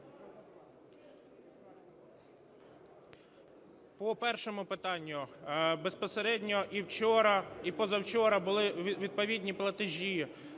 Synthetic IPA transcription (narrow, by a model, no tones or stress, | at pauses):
pɔpɛrʃɔmʊpɪt̪ɑnʲːʊbespɔseɾɛdʲnʲɔʔiwt͡ʃɔɾɐipɔzɐwt͡ʃɔɾɐbʊlˠɪʋʲʋʲid̪̚pɔʋʲid̪ʲnʲiplˠɐt̪ɪʒʲi